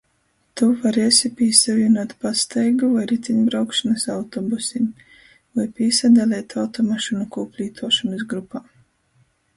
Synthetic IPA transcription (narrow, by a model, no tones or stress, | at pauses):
t̪uvaɾeːsʲipʲiːsaviɛnuɔt̪past̪ɛjɡuvajɾit̪sʲiɲbɾawkʃanasawt̪ɔbusim | vajpʲiːsad̪alʲɛːt̪ʰawt̪ɔmaʃɔnukuːpʲlʲiːt̪ʰuɔʃumɨsɡɾupaː